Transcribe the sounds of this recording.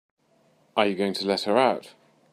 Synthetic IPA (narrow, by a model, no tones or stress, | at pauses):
ʔəjəɡəʊɪ̃ŋtʰəlɛthəɹaʊt